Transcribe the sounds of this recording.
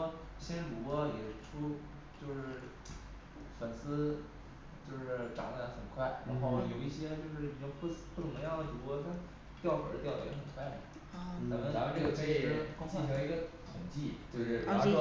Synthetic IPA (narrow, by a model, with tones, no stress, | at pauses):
ɕɛ˥nʈ͡ʂu˨˧˨kwɔ˥jɛ˨˩ʈ͡ʂʰu˥ | t͡ɕjo˥˧ʊʂɻ̩˥˩ | fə˨˩nsɹ̩˥ | t͡ɕjo˥˧ʊʂɻ̩˥˩ʈ͡ʂɑ̰˨˩ŋla˥˩d̪ə˧˥xə˨˩nkʰwa˥˩ɪɻa˧˥nxo˥˧ʊjo˨˩ʊi˥˩ɕjɛ˥t͡ɕjo˥˧ʊʂɻ̩˥˩i˨˩ʈ͡ʂʊ˥ŋppu˥˩ʊ˧˥ŋ˥ŋjɑ˥˩ŋd̪ə˩ʈ͡ʂ̪u˧˥kwɔ˥ɕja˥˧n | t̪jɑ˥˩ʊxə̰˨˩d̪ə˦t̪jɑ˥˩ʊjɛ̰˨˧˥xə˨˩nt̪ʰwa˥˩˥ | nə˧˥mə˧na˧˥xʈ͡ʂɤ˥˩ɡə˩kʰɤ˧˥i˨˥˩kʊ˥ŋʰi˥˩˧lə˧i˧˥ɡə˧t̪ʰʊ˨˩ŋt͡ɕi˥˩t̪we˥˧ɪʂɻ̩˥˩˥a˥